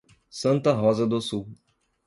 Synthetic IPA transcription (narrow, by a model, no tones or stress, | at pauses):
sɐ̃nt̪ɐɦɔzɐd̪osuw